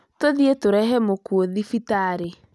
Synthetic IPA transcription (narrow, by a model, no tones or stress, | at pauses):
toðietoɾɛɦɛmokuoðifitaːɾe